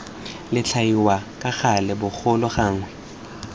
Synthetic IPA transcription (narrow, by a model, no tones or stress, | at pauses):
lɪt͡ɬʰaiwakʼaɣalɪbʊk͡xʰʊlɔχaːŋwɛ